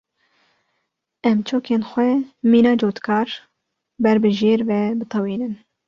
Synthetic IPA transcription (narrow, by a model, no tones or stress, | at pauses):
ɛmt͡ʃʰoːkʰeːnxʷɛmiːnɑːd͡ʒoːt̪kʰɑːɾ | bɛɾbɨʒeːɾvɛbɨt̪ʰɑwiːnɨn